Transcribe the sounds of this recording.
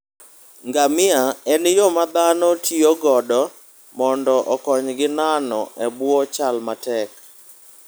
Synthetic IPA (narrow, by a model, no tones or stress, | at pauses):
ŋɡamɪaɛnjomad̪anɔtʰioɡɔdɔ | mɔndɔʔɔkɔɲɡɪnanɔʔɛbwɔt͡ʃalmatɛk